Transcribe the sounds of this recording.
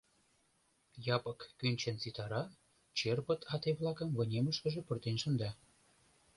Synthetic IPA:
jɑpə̆kːynʲt͡ɕə̆nt͡sit̪ɑɾɑ | t͡ɕerpət̪ʰɑt̪eβlˠɑkəmvə̆nʲeməʃkə̆ʒĕpə̆rt̪enʃə̆nd̪ɑ

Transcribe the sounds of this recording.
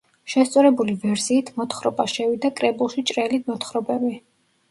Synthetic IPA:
ʃɛst̪sʼɔɾɛbulivɛɾsiːt̪ʰmɔt̪ʰχɾɔbaʃɛvid̪akʼɾɛbulˠʃit͡ʃʼɾɛlit̪mɔt̪χɾɔbɛmi

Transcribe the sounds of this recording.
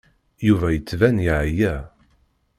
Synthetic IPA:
juvæjət͡sːvænjiʕjæ

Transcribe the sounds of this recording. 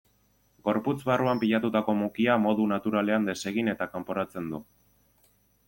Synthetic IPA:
ɡo̞ɾput͡sβaruampiʎat̪ut̪ako̞mukiamo̞ðunat̪uɾale̞and̪e̞se̞ɣ̞ine̞t̪akampo̞ɾat͡se̞nd̪u

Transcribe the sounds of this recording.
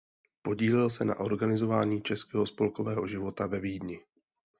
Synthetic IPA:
po̞ɟiːlɪlsɛna̰ʔo̞ɾɡanɪzo̞vaːɲiːt͡ʃɛskɛːɦo̞spo̞lko̞vɛːɦo̞ʒɪvo̞t̪avɛviːdɲɪ

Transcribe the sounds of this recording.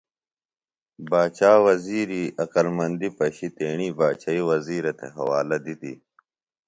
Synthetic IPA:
baːt͡ɕaːwɐziːɾiʔɐkɐlmɐnd̪ipɐɕit̪eːɳ̃iːbaːt͡ɕaiwɐziːɾɐt̪ʰḛɦɐ̰waːlɐd̪it̪ḭ

